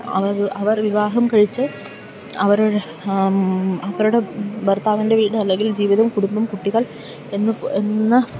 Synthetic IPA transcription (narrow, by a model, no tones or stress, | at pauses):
ɐʋɐrɐʋɐrʋiʋaːɦɐmkɐɻit͡ɕːɨ | ɐʋɐɾuɽ | ɐʋɐɾuɽe̞bɐrt̪aːʋɐnde̞ʋiːɽɨɐlːe̞ŋɡild͡ʑiːʋiðɐmkuɽumbɐmkuʈːiɣɐɭ | e̞nːɨenːɨ